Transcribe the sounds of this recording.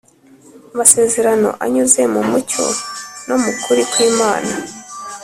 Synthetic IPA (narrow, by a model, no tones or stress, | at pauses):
amase̞ːze̞ɾano̞̰ʔa̰ɲuze̞mumuco̞̰nomukuɾikwiːmaːna